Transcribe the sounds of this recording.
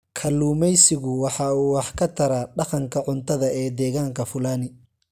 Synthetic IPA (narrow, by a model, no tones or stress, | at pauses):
kʰɐlːuːmɛjsɪɣʊwɑħɑuːwɑħkʰɐt̪ʰɐɾaːɖɑqɐŋkʰɐʕʊnt̪ʰɐðɐɛːd̪ɛːɣaːŋkʰɐfʊlaːnɪ